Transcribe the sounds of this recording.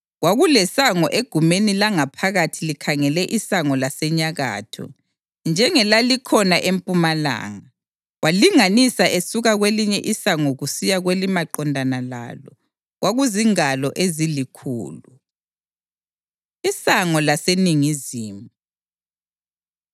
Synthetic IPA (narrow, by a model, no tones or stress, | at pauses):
ɣwaɣulɛsaŋɔʔeɡ̥ʱumenilaŋapʰaɣatʰilikʰaŋɛlɛʔisaŋɔlasɛɲaɣa̰ːtʰɔ̰ | nd͡ʒʱɛŋɛlalikʰɔnaʔempʼumala̰ːŋa | waliŋanisaʔesuɣaɣweliɲɛʔisaŋɔɣusijaɣwelimaǃɔndʱanala̰ːlɔ̰ | ɣwʔaɣuziŋalɔʔezilikʰṵːlu | isaŋɔlaseniŋiziːmu